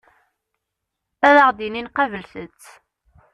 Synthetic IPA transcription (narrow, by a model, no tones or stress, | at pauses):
æðəʁd̪ininqɑvəlθət͡sː